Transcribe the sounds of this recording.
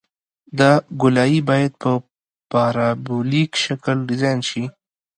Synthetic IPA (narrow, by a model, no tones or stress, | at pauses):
d̪aɡʊlaibɑːjad̪̚pə | paɾabulikʃakəlɖɪzajnʃi